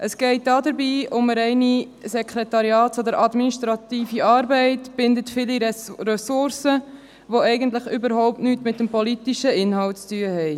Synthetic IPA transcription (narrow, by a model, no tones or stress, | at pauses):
ʔəsɡ̥ɛɪt̚dɑːdəɾbiːʊməɾɛɪni | sɛkχɾɛtɑɾjɑːtsod̪əɾʔɑd̪miniʃtɾɑt̪iːfiɑːɾbɛɪtb̥ɪndətfɪliɾɛsʊɾsə | ʋoɛɪɡəntləχʏbəɾhɔʊp̚tnyːtmɪtdəmpɔlitiʃəɪnhɑltt͡styəhɛɪ